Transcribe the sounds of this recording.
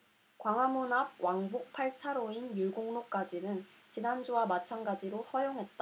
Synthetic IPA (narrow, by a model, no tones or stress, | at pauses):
kwaŋɦamunab̚waŋbuk̚pʰaɭt͡ɕʰaɾoinjuɭɡoŋnok͈ad͡ʑinɯn | t͡ɕinand͡ʑuwamat͡ɕʰanɡad͡ʑiɾohʌjoŋɦe̞t̚t͈a